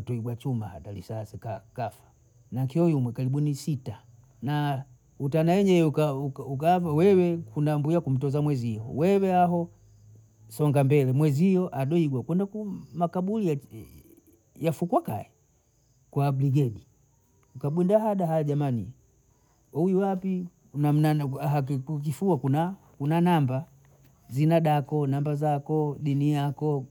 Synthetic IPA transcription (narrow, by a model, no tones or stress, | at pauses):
tɔiɡwat͡ʃumahatalisasɛkakafḁ | naŋkiɔjumwɛkaliɓunisita | na | utanaɛɲɛukauukavawɛwɛkʰundambujakum̩tɔzamwɛzijɔwɛwɛaɦɔ | sɔŋɡambɛlɛmwɛzijɔʔaɗɔiɡwakwɛndakumakaɓulia | jafukwaka̰ɛ | kwabliɡɛɗi | ukaɓwɛndaɦaɗaɦajɔʄamanḭ | ujuwapi | nanaɦauk̬ifuakuna | kunanamba | zinaɗakɔnambazakɔɗinijakɔ